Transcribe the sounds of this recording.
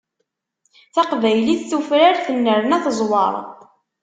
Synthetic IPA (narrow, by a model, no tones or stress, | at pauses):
θɑqvæjliθθufɾaɾθənːəɾnæθzˤwə̰ɾˤ